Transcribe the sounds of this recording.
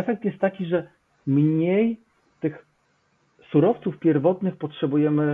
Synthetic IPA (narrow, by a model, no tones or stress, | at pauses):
ɛfɛk̚t̪jɛst̪ːakʲiʐɛ | mɲej | t̪ɘx | suɾɔft̪sufpʲjɛɾvɔt̪nɘxpɔtʂɛbujɛmɘ